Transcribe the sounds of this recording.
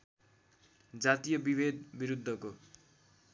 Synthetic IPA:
d͡zat̪ijʌbibed̪biɾud̪ʱːʌko

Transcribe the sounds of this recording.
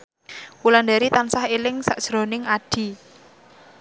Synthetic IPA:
wuland̪aɾit̪ansahelɪŋsaʔd̥ʒ̥ɾo̤nɪŋaɖ̥i̤

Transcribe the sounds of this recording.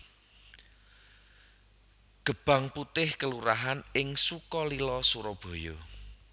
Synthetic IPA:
ɡ̥ə̤b̥a̤ŋput̪ɪhkəluɾaɦanɪŋsukɔlilɔsuɾɔb̥o̤jɔ̰

